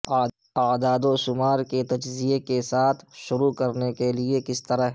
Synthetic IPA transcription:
aːd̪aːd̪oʃʊmaːɾket̪ɐd͡ʒzijekesaːt̪ʰʃʊɾukɐɾnekeliekɪst̪ɐɾəɦ

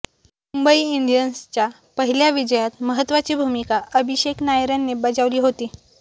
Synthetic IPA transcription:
mumbəiiɳɖijənst͡ɕja | pəɦiljaʋid͡ʑəjat̪məɦət̪ːʋat͡ɕiːbʱumikaəbʱiɕeknajɾanːebəd͡zaʋliːɦot̪iː

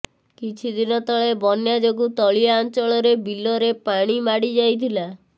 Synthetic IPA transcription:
kit͡ʃʰid̪inɔt̪ɔɭebɔnjad͡ʒoɡut̪ɔɭijaːnt͡ʃɔɭɔɾebilɔɾepaɽ̃imaɽid͡ʒajt̪ʰila

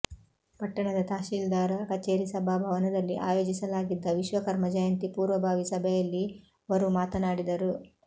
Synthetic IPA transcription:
pɐʈːɐɳɐd̪ɐt̪aːʃiːld̪aːɾɐkɐt͡ʃeːɾisɐbʱaːbʱɐʋɐnɐd̪ɐlːiʔaːjo̞ːd͡ʒisɐlaːɡid̪ːɐʋiʃʋɐkɐɾmɐd͡ʒɐjɐnt̪ipuːɾʋɐbʱaːʋisɐbʱɛjɐlːi | ʋɐɾumaːt̪ɐnaːɽid̪ɐɾu

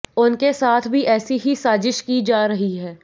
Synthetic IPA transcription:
ʊnkesaːt̪ʰbʱiʔɛːsiɦisaːzɪʃkid͡ʒaːɾɐɦiɦɛː

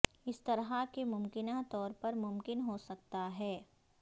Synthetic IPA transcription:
ɪst̪ɐɾɦakemʊmkɪnat̪ɔːɾpɐɾmʊmkɪnɦosɐk̚t̪aɦɛː

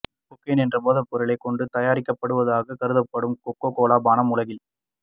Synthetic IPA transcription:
kʊkːeːnɛndrɐmoːðɐpːɔɾɯɭɐɪkːɔɳɖɯt̪ɐjaːɾɪkːɐpːɐɽɯʋɐðaːɣɐkɐɾɯðɐpːɐɽɯmkɔkːoːkoːlaːbaːnɐmʊlɐɣɪl

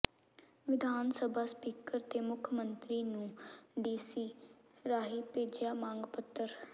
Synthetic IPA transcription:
ʋɪd̪ʱaːnsəbʱaːspiːkəɾt̪eːmʊkʰjəmənt̪ɾiːnũːɖiːsiː | ɾaːɦiːpeːd͡ʒjaːmãːŋɡpət̪ːəɾ

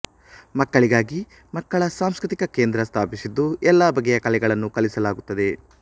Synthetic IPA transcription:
mɐkːɐɭiɡaːɡi | mɐkːɐɭɐsaːmskɾit̪ikɐke̞ːnd̪ɾɐst̪ʰaːpisid̪ːuɛlːaːbɐɡːɛjɐkɐlɛɡɐɭɐnːukɐlisɐlaːɡut̪ːɐd̪e̞

